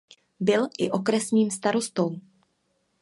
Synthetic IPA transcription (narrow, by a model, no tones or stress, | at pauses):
bɪlʔɪʔo̞kɾɛsɲiːmst̪aɾo̞st̪o̞w